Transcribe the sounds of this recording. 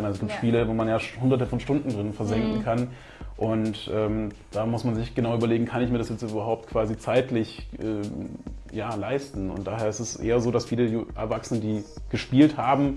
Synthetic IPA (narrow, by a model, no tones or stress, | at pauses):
nʔalzosɡ̥iːp̚tʃpiːləvoːmanjaːhʊndɐtəfɔnʃtʊndn̩dʁɪnnfɛɐzɛŋkŋ̩kʰan | ʔʊntʔɛːm | d̥aːmʊsmanzɪçɡ̥ənaʊyːbɐleːɡŋ̩kʰanɪçmiɐɾasjɛt͡styːbɐɦaʊp̚t̚kʰv̥aːzit͡saɪtlɪçʔɛː | jaːlaɪstn̩ʊ̰nt̚d̥aːɦeːɐɪstɛsʔḛːɐzoːdasfiːləjʔɛ̰ɐvaksənəndiːɡ̥əʃpiːlthaːbm̩